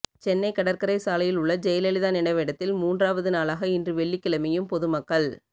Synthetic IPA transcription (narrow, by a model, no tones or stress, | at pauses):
t͡ʃɛnːɐɪkːɐɽɐɾkɐɾɐɪsaːlɐjɪlʊɭːɐd͡ʒɛjɐlɛlɪðaːnɛɳɐʋɛɽɐt̪ːɪlmuːndraːʋɐðɯnaːlaːɣɐɪndrɯʋɛɭːɪkːɪɭɐmɪjɯmpɔðɯmɐkːɐɭ